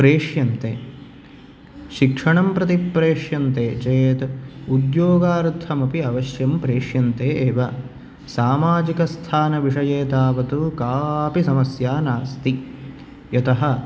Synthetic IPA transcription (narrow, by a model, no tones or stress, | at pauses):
pɾeːʂjɐnt̪eː | ʃikʂɐɳɐmpɾɐt̪ipːɾeːʂjɐnt̪eːt͡ʃeːt̪ud̪joːɡaːɾt̪ʰːɐmɐpiɐʋɐʃjɐmpɾeːʂjɐnt̪eːʔeːʋɐ | saːmaːd͡ʒikɐst̪ʰaːnɐʋiʂɐjeːt̪aːʋɐt̪ukaːpisɐmɐsjaːnaːst̪i | jɐt̪ɐɦɐ